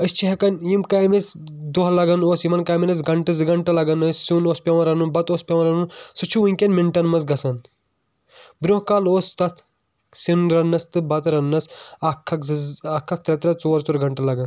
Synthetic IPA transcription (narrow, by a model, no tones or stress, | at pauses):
ɐst͡ʃʰiɦɐkɐnjimkaːmet͡sd̪oɦɐlɐɡɐnoːsimɐnkaːminɐs̬ɡɐɳʈɨzɨɡɐɳʈɐlɐɡɐnɐssuːnoːspʲɐʋɐɾɐnunbɐt̪oːspʲɐʋɐɾɐnunsut͡ʃʰuuŋkʲɐnmiɳʈɐnmɐzɡɐsɐn | bɾoːɦkaːloːst̪ɐt̪ʰ | sinɾɐnːɐst̪ɨbɐt̪ɾɐnːɐsɐkʰːɐkzɨakʰːɐk̚t̪ɾɐt̪ɾɐt͡soːɾt͡suɾɡɐɳʈɐlɐɡɐn